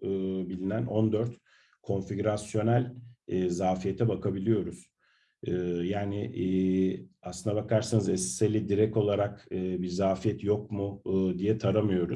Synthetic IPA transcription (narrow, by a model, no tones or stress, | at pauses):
ɯːbilʲinænʔond̪øɾt̪ | kʰo̞nfiɟɾasjo̞nælʲɛːzaːfijet̪ʰɛbakʰabilʲijo̞ɾuz̥ | ɯːjaːnɪʔ | asɯnd̪abakʰaɾsanɯzɛsselʲid̪iɾɛco̞lˠaɾakɯbiɾzaːfijɛt̪jo̞k̚mʊd̪ijɛt̪ʰaɾamɯjo̞ɾuz